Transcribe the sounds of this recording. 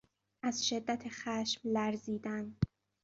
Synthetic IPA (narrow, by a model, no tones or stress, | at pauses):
ʔæzʃed̪ːæt̪ʰexæʃmlæɾziːd̪æn